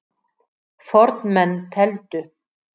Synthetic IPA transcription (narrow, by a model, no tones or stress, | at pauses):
fɔɾt̪nmɛnːt̪ʰɛlt̪ʏ